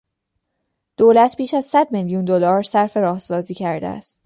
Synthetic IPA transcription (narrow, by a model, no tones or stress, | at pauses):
d̪̥oːlæt̪ʰbiːʃæzsæd̪̚meljund̪olɒːɾsæɾfe̞ɾɒːhsɒːziːcʰæɾd̪ḛæ̰st̪